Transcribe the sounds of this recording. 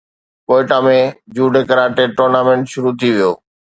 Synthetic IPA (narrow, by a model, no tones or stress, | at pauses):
koːɪʈaːmẽd͡ʑuːɖekɐɾaːʈeʈoːɾnaːmẽɳʈʃʊɾut̪ʰiʋijoː